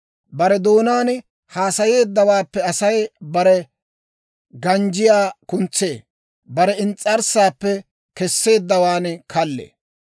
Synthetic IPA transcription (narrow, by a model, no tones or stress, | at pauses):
bɐɾɛd̪o̞ːnaːn | haːsɐje̞ːd̪ːɐwaːpːɛɐsɐjbɐɾɛ | ɡɐnd͡ʒɪjaːkʊnt͡sːe̞ː | bɐɾɛɪnt͡sʼːɐɾsaːpːɛ | kɛsːe̞ːd̪ːɐwaːnkʰɐlːḛː